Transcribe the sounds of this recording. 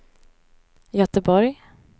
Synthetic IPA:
jœt̪əbɔɾj

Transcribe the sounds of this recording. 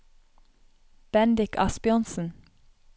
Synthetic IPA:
b̥ɛnd̪ɪkʰɑ̰spɪɔnsn̩

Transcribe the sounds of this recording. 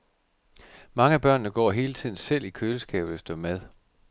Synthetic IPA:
mɑ̈ŋəæb̥ɶɐ̰nːəɡ̥ɒ̰ːɦe̝ːlət͡sʰiðˠn̩sel̰ikʰøːləsɡ̥ɛ̰ːb̥ð̩ˠæsd̥ɒmæð̞ˠ

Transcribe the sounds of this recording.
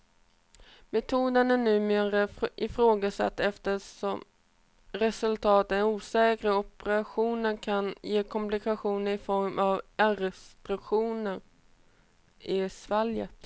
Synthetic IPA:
mɛt̪ʰuːd̪ənæɳʉ̟ːmeːɾaɪfɾoːɡasa̰t̪ːɛft̪əʂɔm | ɾɛsɵlt̪ʰɑːt̪ɛnuːsɛːkɾəɔpɛɾaɧuːnənkʰanjeːkʰɔmplɪkʰaɧuːnəɾɪfɔɾmʔavaɾɛst̪ɾɵkɧuːnəɾ | ɪsvaljət̪

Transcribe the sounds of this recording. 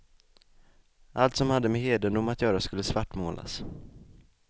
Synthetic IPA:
ʔalt̪sɔmhad̪ːəmɛheːd̪ənd̪ʊmat̪jœːɾaskɵlːəsvaʈːmo̰ːlʔa̰s

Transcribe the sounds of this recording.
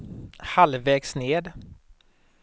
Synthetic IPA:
halvɛːɡsneːd̪

